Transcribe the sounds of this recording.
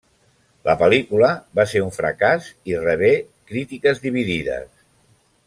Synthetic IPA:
lʔəpəlikuləβaseɾuɱfɾə̰kazirəβ̞e | kɾit̪ikəzðiβ̞iðiðə̰s

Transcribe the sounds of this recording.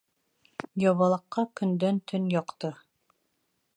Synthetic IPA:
jɒβɑlˠɤ̆qːɑkɵ̆nd̪œnt̪ʰɵnjɒqt̪ɤ

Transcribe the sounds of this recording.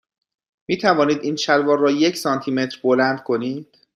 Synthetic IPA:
miːt̪ʰævɒːniːd̪iːnʃælvɒːɾːɒːje̞cʰsɒːnt̪ʰiːme̞t̪ʰɾbolænd̪̥̚kʰo̞niːd̪̥

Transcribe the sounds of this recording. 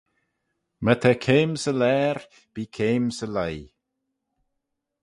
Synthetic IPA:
mət̪ʰɛkʰeːmsəlɛːɹ | b̥iːkʰeːmsəlaj

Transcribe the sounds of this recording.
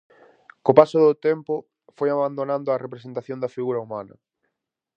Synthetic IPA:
kopasʊðʊt̪ɛmpʊ | fojaβand̪onãnd̪ʊɐrepɾesent̪aθjond̪ɐfiɣuɾɐumanɐ̰

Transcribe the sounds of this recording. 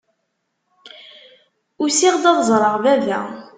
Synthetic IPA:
ʊɾsiʁd̪ɑðzˤɾˤəʁvævæ̰

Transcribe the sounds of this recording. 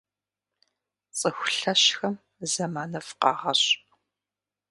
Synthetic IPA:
t͡sʼɨxʷʊɬɐɕxɐm | zɐmaːnɐfqɑ̰ːʁɐɕp

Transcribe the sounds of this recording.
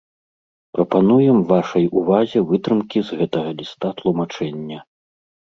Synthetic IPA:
pɾɐpanujɛmvaʂɐjuvazʲɛvɨt̪ɾɨmkʲizɣɛt̪ɐɣɐlʲist̪at̪lˠumat͡ʂɛnʲːɐ

